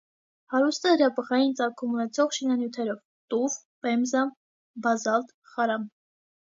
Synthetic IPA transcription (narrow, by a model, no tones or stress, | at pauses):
hɑɾust̪əhɾɑbəʁɑjint͡sɑɾkʰumunɛt͡sʰɔʁʃinɑnjut̪ʰɛɾɔv | t̪uvpɛmzɑm | bɑzɑlt̪ | χɑɾɑm